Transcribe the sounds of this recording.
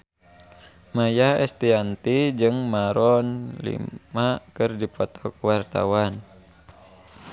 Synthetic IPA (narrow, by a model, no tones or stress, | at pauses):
majahɛ̰st̪iant̪id͡ʒɨŋmaɾɔnlḭmakɨrdipɔt̪ɔkwart̪a̰wan